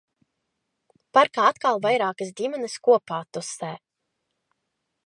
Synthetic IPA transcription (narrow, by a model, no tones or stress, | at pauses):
paɾkaːat̪kalˠvajɾaːkəsd̪ʲimɛnɨskuɔpaːt̪usɛː